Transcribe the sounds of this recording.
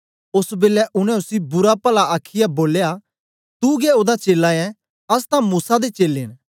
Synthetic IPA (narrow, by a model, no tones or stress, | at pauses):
ʊsbeːlɛʔʊnɛ̃ʊsibʊɾapɐlaaːkʰːɪjaboːleja | t̪uɡɛoːd̪at͡ʃeːlaɛ̃ | ɐst̪ãmuːsad̪et͡ʃeːlen